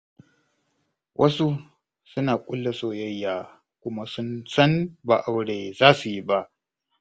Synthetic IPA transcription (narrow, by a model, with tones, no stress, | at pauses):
wʔɐ˦su˦ | sʊ˦naː˨kʷʼʊ˦lːa˨soː˦˨jɐ˦jːaː˨ | kʷʊ˦ma˦sʊ˦nsɐ˦nba̰ː˨ʔa˦wɽeː˨zaː˦su˨ji˦ba˦ʔ